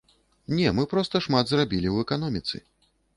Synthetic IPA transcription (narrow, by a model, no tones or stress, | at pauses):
nʲɛmɨpɾɔst̪ɐʂmat̪zrabʲilʲiwɛkanɔmʲit̪sɨ̰